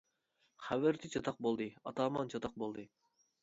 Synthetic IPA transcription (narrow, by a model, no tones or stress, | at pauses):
χævɪɾt̪ʰɪt͡ʃʰɑt̪ʰɑq̚bolˠd̪ɨɑ̰t̪ɑːmɑnt͡ʃʰɑt̪ɑq̚bolˠd̪ɨ